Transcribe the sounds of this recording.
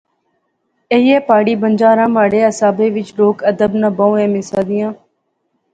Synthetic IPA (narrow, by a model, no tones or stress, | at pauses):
eiːeːpaːɽiːbənd͡ʒaːɾãːmaːɽeːəsaːbeːʋɪt͡ʃloːkəd̪əbnəbəũẽːmɪsaːd̪ɪjãː